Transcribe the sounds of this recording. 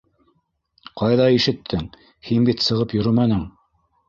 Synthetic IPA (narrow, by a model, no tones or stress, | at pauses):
qɑjðɑiʃɘ̆t̪ʰːɘŋ | hinbit̪sɤ̆ʁɤpjɵ̆ɾɵmænɘŋ